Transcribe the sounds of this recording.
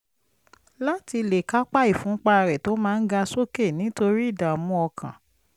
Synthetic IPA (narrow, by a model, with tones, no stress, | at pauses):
la˦ti˧le˨ka˦k͡pa˦˨i˦˨fũ˨˦k͡pa˦˧ɾɛ˨to˨˦mãː˦˧˦n̩˦ɡa˧so˦ke˦˨nĩ˨˦to˧ɾi˦˨da˨ɔ˨mũ˧˦ɔ˧kʰã̰˨